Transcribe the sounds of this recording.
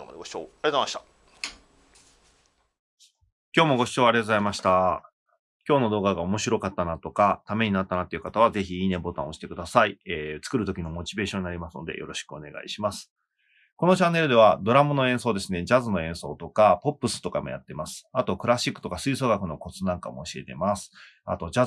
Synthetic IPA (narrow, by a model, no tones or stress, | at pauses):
ma̰d̪eɡo̥t͡ɕoaɾʲezamat̪a | kʲoːmo̞ɡo̞ɕi̥t͡ɕo̞ːaɾʲet̪ozaimaɕi̥t̪a | kʲo̞ːno̞d̪o̞ːɡaɡao̞mo̞ɕiɾo̞kat̪ːanat̪o̞kat̪ame̞ɲ̟inat̪ːanat̪ːeiɯ̟kat̪aβ̞aze̞çiiːne̞bo̞t̪ã̰o̞ɕi̥t̪e̞kɯ̟d̪asaieːt͡sɨ̥kɯ̟ɾɯ̟t̪o̞kʲino̞mo̞t͡ɕibe̞ːɕõ̞ɲ̟inaɾʲimasɨno̞̰d̪e̞̰jo̞ɾo̞ɕi̥kɯ̟one̞̰ɡa̰ḭɕimasɨ̥ | ko̞not͡ɕãnːe̞ɾɯ̟d̪e̞βad̪o̞ɾamɯno̞ẽ̞ɰ̃so̞ːd̪e̞sɨne̞d͡ʑazɨno̞ẽ̞ɰ̃so̞ːt̪o̞kapo̞pːɯ̟sɨ̥t̪o̞ka̰mo̞ja̰t̪ːe̞masɨ̥at̪o̞kɯ̟ɾaɕikːɯ̥t̪o̞kasɨiːso̞ːɡakɯ̟no̞ko̞t͡sɨnãŋka̰mo̞ːɕie̞t̪e̞̰masɨ̥ | a̰t̪o̞d͡ʑa